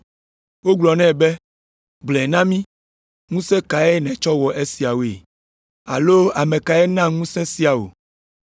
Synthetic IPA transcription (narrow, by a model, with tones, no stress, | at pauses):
wo˦ɡ͡blɔ˨nɛ̃˦˨be˦ | ɡ͡blɛ˨nã˦mĩ˦ | ŋũ˦sɛ̃˦ka˨ɛ˦nɛ̃˨t͡ʃɔ˦wɔ˨ʔe˦si˨a˨wo˨e˨ | a̰˨lo˦a˨mɛ̃˨ka˨ɛ˦nã˦˨ŋũ˦sɛ̃˦si˦a˨wo̰˨